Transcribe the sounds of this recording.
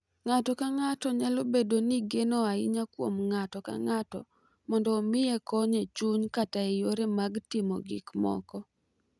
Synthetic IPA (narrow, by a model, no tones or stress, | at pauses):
ŋatɔkaŋatɔɲalobedoniɡenoaɪɲakwomŋatɔka̰ŋatɔ̰ | mɔndɔːmɪjekɔɲet͡ʃuɲkataejoɾemaɡtɪmɔ̰ɡɪ̰kmɔ̰kɔ